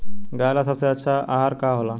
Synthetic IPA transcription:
ɡajlasəbseətːɕʰaʔaɦaɾkaɦola

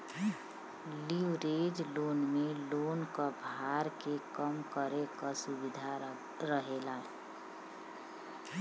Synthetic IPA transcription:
liwɾed͡ʒloːnmelonkəbʱaɾkekəmkəɾekəsubid̪ʱa | ɾəɦela

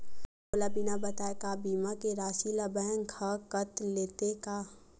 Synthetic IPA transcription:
oːlabinabət̪aːekabiːmakeɾaːsilabɛ̃ːŋɡʰakət̪leːt̪eka

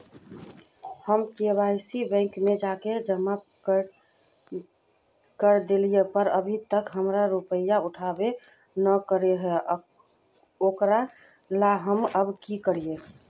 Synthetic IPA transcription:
həmkebajsibɛ̃ŋkmed͡ʒaked͡ʒəma | k | kəɾd̪elijepəɾəbʱit̪əkɦəmɾaɾupəjauʈʰabe | nəkəɾeɦɛ | okɾa | laɦəməbkikəɾije

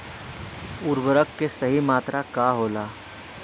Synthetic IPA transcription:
ʊɾbəɾəkːesəɦimaːt̪ɾakaɦoːlaː

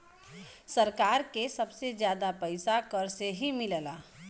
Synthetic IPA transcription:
səɾkaːɾkesəbsezjaːd̪apəɪsakəɾseɦimɪləlaː

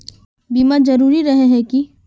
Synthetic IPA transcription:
biːmazɐɾuːɾiɾɐɦeɦɛ̃ki

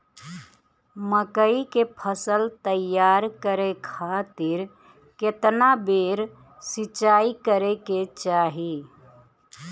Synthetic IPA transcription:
məkəikepʰəsəlt̪əjaɾkəɾekʰaːt̪iɾ | ket̪nabeɾ | sɪt͡ʃaikəɾeket͡ʃaːɦi

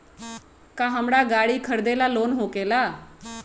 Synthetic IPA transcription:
kaːɦəmɽaːɡaːɽiːkʰəɾd̪elaːloːnɦoːkeːlaː

